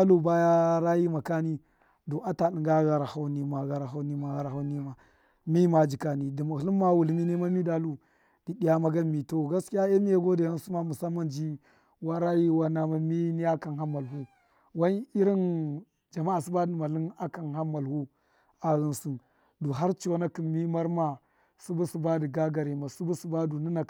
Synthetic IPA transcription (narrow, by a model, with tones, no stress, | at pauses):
a˦lu˦ba˦ja˦ɾa˦ji˦ma˨ka˦ni˦ | do˨ʔa˦ta˨ɗi˨ŋɡa˦ɣa˨ɾa˨ha˦wni˨ma˨ɣa˨ɾa˨ɦa˦wni˦ma˨ɣa˨ɾa˨ɦa˦ni˦ma˨ | mi˦ma˨˦d͡ʒi˨ka˨ni˨di˨ma˨hli˦mːa˦wu˨lmi˦ne˦ma˦mi˦da˦lu˦ | d̥i˨ɗi˨ja˦ma˦ɡa˦mi˨to˦ɡa˦ski˦ja˦e˦mi˦ja˦ɡo˦da˨ja˦n˦su˦ma˦mu˨sa˦mːa˦nd͡ʒi˦ | wa˦ɾa˦ji˦wa˦na˦ma˦mi˦ni˦a˦ka˨nɦa˦mːa˨lɦu˦ | wa˦ni˦ɾi˦n | d͡ʒa˨ma˦a˨si˦ba˦di˨ma˨li˦na˦ka˨nɦa˦mːa˨lhu˦ | a˨ɣi˨nsu˨n | du˨ɦa˦ɾt͡ʃi˨wo˦na˦ki˨mi˦ma˦ɾma˨ | su˦bu˦su˨ba˦di˨ɡa˦ɡa˨ɾi˨ma˨su˦bu˦su˨˦ba˦du˨ni˦na˨